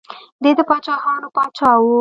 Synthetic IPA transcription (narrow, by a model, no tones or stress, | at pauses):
d̪ed̪əpɑt͡ʃɑxɑnopɑt͡ʃɑwu